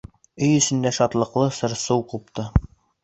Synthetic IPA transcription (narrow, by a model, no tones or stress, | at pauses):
ɵjɵ̆sɘ̆nd̪æʃɒt̪lˠɤ̆qlˠɤsɤ̆ɾsɤwqupt̪ɤ